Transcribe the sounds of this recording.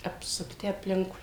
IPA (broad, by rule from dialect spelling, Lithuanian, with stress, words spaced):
ɐpsʊkˈtʲɪ ɐpʲˈlʲɪŋkʊɪ